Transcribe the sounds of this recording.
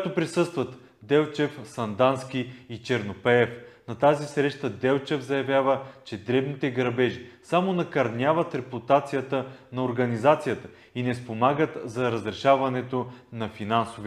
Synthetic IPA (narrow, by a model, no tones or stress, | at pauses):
t̪opɾisɤst̪vɐt̪ | d̪ɛlˠt͡ʃɛfsɐnd̪ansk̟iit͡ʃɛɾnopɛɛfnɐt̪azisɾɛʃt̪əd̪ɛlˠt͡ʃɛfzɐjɐvʲjavət͡ʃɛd̪ɾɛbnit̪ɛɡɾɐbɛʒisamonɐkɐɾnʲavət̪ɾɛput̪at̪sijət̪ənɐoɾɡɐnizat̪sijət̪ə̥ | inɛspomaɡət̪zɐɾɐzɾɛʃavɐnɛt̪onɐfinansovi